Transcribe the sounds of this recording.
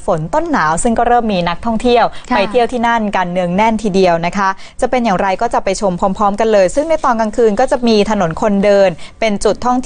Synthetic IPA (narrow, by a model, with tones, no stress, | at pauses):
fo˩˦nt̪o˥˩nːaː˩˦wsɯ˥˩ŋkɔː˥˩ɾɤː˥˩mːiː˧na˦˥k̚t̪ʰɔ˥˩ŋt̪ʰi˥˩əwpa˧jt̪ʰi˥˩əwt̪ʰiː˥˩na˥˩nkaː˧nːɯ˧əŋnɛ˥˩nt̪ʰiː˧˩di˧əwna˦˥kʰa˦˥ | t͡ɕa˨˩pe˧njaː˨˩ŋɾa˧jkɔː˥˩t͡ɕa˨˩pa˧jt͡ɕʰo˧mpʰɔː˧˥mpʰɔː˦˥mka˧nlɤː˧jsɯ˥˩ŋda˥˩jt̪ɔː˧nka˧ŋkʰɯː˧nkɔː˥˩t͡ɕa˨˩miː˧t̪ʰa˧no˩˦nkʰo˧ndɤː˧npe˧nt͡ɕu˨˩t̪ʰːɔ˥˩ŋt̪ʰ